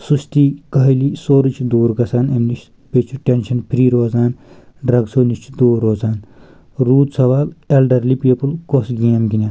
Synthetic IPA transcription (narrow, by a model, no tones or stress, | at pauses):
suʃt̪iːkɐɦɐlisoːɾit͡ʃʰd̪oːɾɡɐsaːnɐmniʃ | pet͡ʃʰuʈenʃɐnpʰɾiːɾoːzaːnɖɾɐɡsoːnit͡ʃʰd̪oːɾoːzaːn | ɾuːd̪sɐʋaːlelɖɐɾlipiːpulkosɡimɡinʲaːn